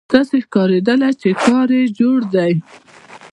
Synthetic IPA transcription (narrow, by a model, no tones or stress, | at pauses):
d̪̥ɑsexkɑɾed̪əlat͡ʃekɑɾed͡ʒoɽd̪aj